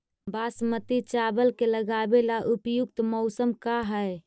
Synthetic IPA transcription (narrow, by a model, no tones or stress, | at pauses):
basmət̪it͡ʃabəlkeləɡabelaʔupjuk̚t̪mɔʊsəmkaɦəj